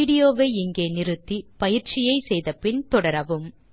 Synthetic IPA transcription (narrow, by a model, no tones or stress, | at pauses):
iːɽɪjoːʋeːɪŋɡeːnɪɾɯt̪ːipɐjɪɾt͡ʃɪjɐɪsɛjðɐpɪnt̪ɔɽɐɾɐʋɯm